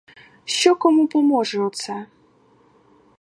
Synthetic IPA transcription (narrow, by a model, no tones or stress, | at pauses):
ɕɔkɔmupɔmɔʐɛɔt̪sɛ